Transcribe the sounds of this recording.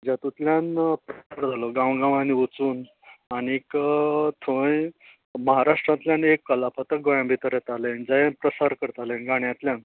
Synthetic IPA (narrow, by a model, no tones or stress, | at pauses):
d͡ʑat̪ut̪ljanpɾəsaɾd͡zʱaloɡãwɡãʋaniut͡suːn | anikt̪ʰõj | məɦaɾaʂʈɾãt̪ljãnekːəlapʰət̪ək̚ɡojãmbʱit̪əɾjet̪alend͡zajepɾəsaɾkəɾt̪alenɡaɳjãt̪ljãn